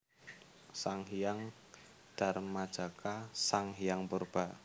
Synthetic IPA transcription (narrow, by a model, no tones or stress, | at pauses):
saŋɦijaŋ | d̥a̤rmad̥ʒ̥a̤kasaŋɦijaŋpurb̥aʔ